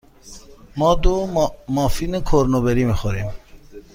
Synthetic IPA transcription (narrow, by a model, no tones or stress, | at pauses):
mɔd̪omɔːfinekʰoɾnobeɾimixoɾim